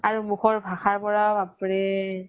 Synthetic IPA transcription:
aɹumuxɔɹbʱaxaɹpɔɹaapɹɛ

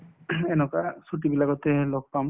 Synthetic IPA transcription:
ɛnɔkasuʈibilakɔt̪ɛlɔk̚pam

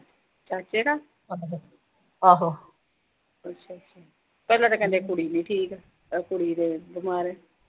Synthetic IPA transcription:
t͡ʃaːt͡ʃeːɽaː | aːɦo | ətːʃʰaːətːʃʰaː | pɛːlãːt̪aːkɛ̃nd̪eːkʊɽiːnĩːʈʰiːkɛ | kʊɽiːd̪eːbɪmaːɾeː

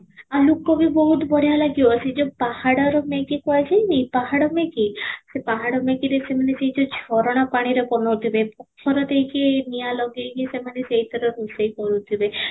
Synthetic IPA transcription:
alukːɔbibɔɦut̪bɔɽ̤ijalaɡjoɔsʰid͡ʒɔpahaɽaɾɔmekikɔet͡ʃʰejmipaɦaɽɔmekisepaɦaɽɔmekiɾesemaneseɦid͡ʒɔd͡ʒʱɔɾɔɽ̃apaɽ̃iɾekɔnɔt̪ʰibepɔkʰɔɾɔt̪eikenijalɔɡekisemaneseɦit̪ʰɔɾɔɾusejkɔɾut̪ʰibe

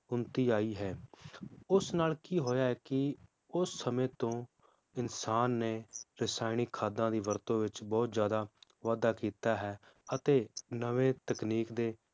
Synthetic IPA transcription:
ʊnt̪iːaːiːɦɛː | ʊsnaːlkiːɦoːjaːɦɛːkɪ | ʊsːəmẽːt̪õː | ɪnsaːnːeːɾɪsaːɪniːkʰaːd̪ãːd̪iːʋəɾt̪õːʋɪt͡ʃbɔːt̪zjaːd̪aː | ʋaːd̪aːkiːt̪aːɦɛː | ət̪eːnəʋẽːt̪əkniːkd̪eː

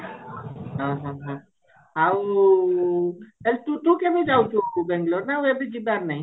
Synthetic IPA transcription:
ɦə̃ɦə̃ɦə̃ | ɦaw | elt̪ut̪ũkebʱid͡ʒawt͡ʃʰubɛ̃ŋɡloɾnauebʱid͡ʒibaɾnaɦĩ

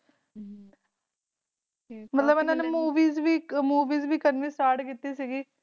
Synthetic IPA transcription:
mət̪ləbeːnãːnemuːʋiːzʋiːmuːʋiːzʋiːkənʋiːsʈaːɾʈkit̪ːiːsiːɡiː

